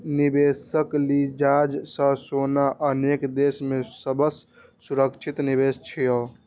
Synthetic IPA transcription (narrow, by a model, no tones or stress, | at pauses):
nibesəklid͡ʒad͡ʒsə̃sonaʔənekd̪esmesəbəs | suɾəkt͡ʃʰit̪nibest͡ʃʰijə